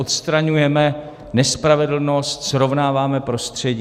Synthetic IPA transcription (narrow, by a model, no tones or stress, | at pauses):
ot̪st̪ɾaɲujɛmɛ | nɛspɾavɛdl̩no̞st̪sɾovnaːvaːmɛpɾo̞st̪r̝̥ɛɟi